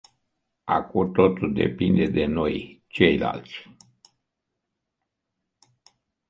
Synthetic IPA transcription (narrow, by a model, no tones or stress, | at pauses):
akut̪ot̪uld̪e̞̰pind̪e̞d̪e̞nojt͡ʃe̞jla̰lt̪sʲ